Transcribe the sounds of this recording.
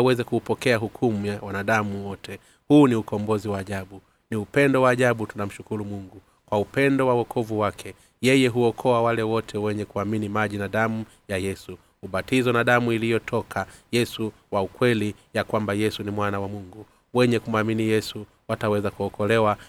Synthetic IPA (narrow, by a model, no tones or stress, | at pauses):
wɛzɛkuːpɔkɛaɦukʰumujawanaɗamuwɔtʰɛ | huːniukɔmbɔziwaːʄaɓu | niupɛndɔwaːʄaɓutunam̩ʃukuɾumuŋɡu | kwaupɛndɔwawɔkʰɔvuwakʰɛ | jɛjɛɦuɔkʰɔawalɛwɔtʰɛwɛɲɛkuaminimaʄinaɗamu | jajɛsu | huɓatizɔnaɗamuilijɔtʰɔkʰajɛsu | waukwɛlijakwambajɛsunimwanawamuŋɡu | wɛɲɛkum̩aminijɛsu | watawɛzakuɔkʰɔlɛwa